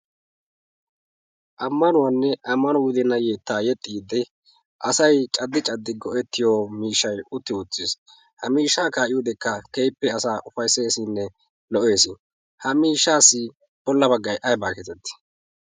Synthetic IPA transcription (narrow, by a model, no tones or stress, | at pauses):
ʔɐmːɐnʊwɐnːɛʔɐmːɐnɔwʊd̪ɛnɐjeːt̪ːaːjɛt̪ʼːiːd̪ɛ | ʔɐsɐjt͡ʃʼɐd̪ːɪt͡ʃʼɐd̪ːɪɡɔʔɛt̪ːɪjoːmiːʃːɐjʊt̪ːɪʊt͡sːɪs | hɐmiːʃːaːkaːʔɪjʊd̪ɛkːɐkejpːɛɐsaːʔʊfɐjse̞ːsɪnːɛ | lɔʔeːsɪ | hɐmiːʃːaːsːɪ | b̥ɔlːɐbɐɡːɐjʔɐjbaːkɛt̪ɛt̪ːɪ̥